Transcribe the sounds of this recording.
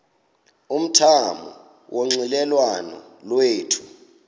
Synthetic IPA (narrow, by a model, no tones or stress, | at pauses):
um̩tʰamɔ̰ | wʔoŋ͡ǀilɛlwanɔ̰ | lweːtʰu̥